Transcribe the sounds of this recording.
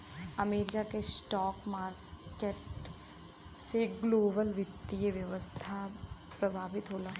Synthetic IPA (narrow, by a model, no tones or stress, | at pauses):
ɐmeːɾɪkakesʈɔːkmaːɾ | keʈ | seɡloːbəlʋɪt̪ːijəʋjɐʋəst̪ʰa | pɾɐbʱaːbɪt̪ɦoːlaː